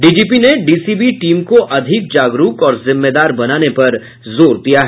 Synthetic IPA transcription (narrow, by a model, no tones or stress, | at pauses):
ɖiːd͡ʒiːpineɖiːsibiʈiːmkoʔɐd̪ʱɪk̚d͡ʒaːɡɾuːkɔːɾzɪ̃mːed̪aːɾbɐnaːnepɐɾ | zoːɾd̪ijaɦɛː